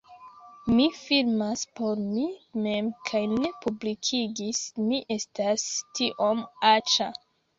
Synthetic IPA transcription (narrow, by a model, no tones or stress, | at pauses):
mifilmaspo̞ɾmime̞mkʰajne̞publikʰiɡismiʔe̞stastiʔo̞mat͡ʃa